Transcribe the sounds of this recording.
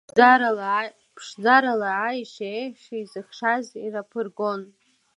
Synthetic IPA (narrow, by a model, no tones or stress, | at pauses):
pʰʂd͡zaɾalaʕaiʃaeʃiizɨχʂazirapʰɨrɡo̞n